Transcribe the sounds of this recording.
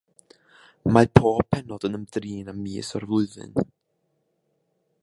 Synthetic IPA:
mapʰoːppʰɛnɔd̥ənəmdriːnamːiːsɔrvʊɨðɨ̰n

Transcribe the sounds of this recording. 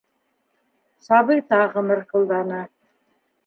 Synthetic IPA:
sɑβɤjt̪ɑʁɤ̆mɤɾqɤ̆lˠd̪ɑnɤ

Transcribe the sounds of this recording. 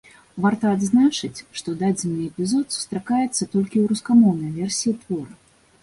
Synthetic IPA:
vart̪ɐːd̪znat͡ʂɨt͡sʲʂt̪ɔd̪ad͡zʲɛnːɨɛpʲizɔt̪su̥st̪ɾakajɛt̪sːɐt̪ɔlʲkʲiwɾuskamɔwnɐjvʲɛrsʲiit̪vɔɾɐ

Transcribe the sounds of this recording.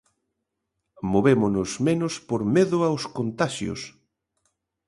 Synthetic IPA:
moβemonʊsmenʊspoɾmeðʊawskont̪aʃjo̰s

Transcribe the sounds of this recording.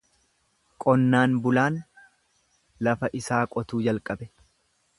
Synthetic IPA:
kʼɔnːaːnbʊlaːn | lɐfɐʔɪsaːkʼɔt̪uːd͡ʒɐlkʼɐbɛ

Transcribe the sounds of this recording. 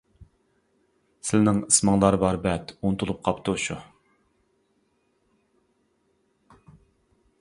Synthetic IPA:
sɪlnɪŋɨsmɑŋlˠɑɾbɑɾbɛt̪unt̪ʰulˠup̚qʰɑpt̪ʰuʃu

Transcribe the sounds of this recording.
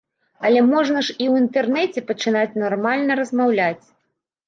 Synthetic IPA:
ɐlʲɛmɔʐnɐʂiwint̪ɛrnɛt͡sʲɛpɐt͡ʂɨnat͡sʲnɔrmalʲnɐɾɐzmawlʲat͡sʲ

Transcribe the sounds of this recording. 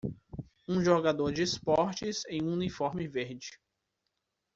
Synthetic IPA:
ũʒoɡad̪oɾd͡ʒɪːspɔɾt͡ʃɪzẽj̃ũnifɔɾmɪveɾd͡ʒɪ

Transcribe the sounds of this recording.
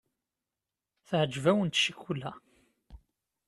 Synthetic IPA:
θʕd͡ʒːvæwənt̪ʃikːulæ

